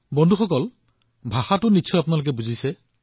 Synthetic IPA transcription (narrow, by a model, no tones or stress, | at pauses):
bɔndʱuxʰɔkɔl | bʱahatunit͡ʃʰɔapɔnalok̬ebud͡ʒʱise